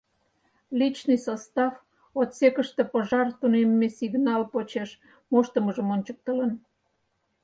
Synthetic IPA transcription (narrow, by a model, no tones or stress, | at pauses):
lit͡ɕnɨjsost̪ɑf | ot̪sekəʃt̪e̽pəʒɑrt̪unemːesiɣnɑlpot͡ɕeʃ | moʃt̪əməʒəmonʲt͡ɕək̚t̪ələn